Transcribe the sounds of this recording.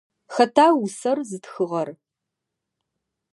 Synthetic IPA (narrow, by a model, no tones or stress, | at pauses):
xɐtʰaːwʊsɐrzɨtxɨʁɐr